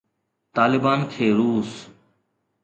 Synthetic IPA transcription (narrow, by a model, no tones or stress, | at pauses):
t̪aːlɪbaːnkʰeːɾuːs